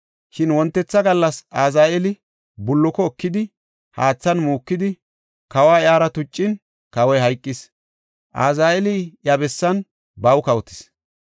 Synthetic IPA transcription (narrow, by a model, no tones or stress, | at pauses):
ʃɪnwɔnt̪ːɛt͡sːɐɡɐlːɐsaːzaːʔɛlɪ | bʊlːɔkɔːkːɪd̪ɪ | haːt͡sːɐnmuːkːɪd̪ɪ | kɐwaːɪaːɾɐt̪ʊt͡ʃʼːɪn | kɐwɔjɦɐjkʼːɪs | ʔa̰ːzaːɛlɪjɐbɛsːɐn | bɐwkɐwɔt̪ɪ̥s